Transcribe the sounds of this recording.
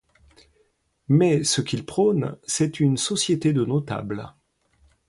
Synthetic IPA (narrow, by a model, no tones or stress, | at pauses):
mɛsəkʲilpχɔnsɛt̪ynsɔsjet̪ed̪ənot̪a̰bl